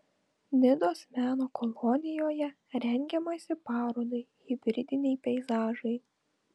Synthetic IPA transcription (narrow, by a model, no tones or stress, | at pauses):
nʲɪd̪oːsmʲæːnoːkɔlˠɔnʲɪjoːjɛ | ɾʲɛŋʲɡʲɛmɐsʲɪpɑːɾoːd̪ɐɪɣʲɪbʲɾʲɪd̪ʲɪnʲɛɪpʲɛɪzɑːʒɐɪ